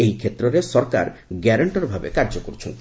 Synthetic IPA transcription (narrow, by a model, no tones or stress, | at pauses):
eɦikʰet̪ɾɔɾesɔɾka̰ɾɡɛɾɔɳʈɔɾbʱabḛkaɾd͡ʒokoɾut͡ʃʰont̪i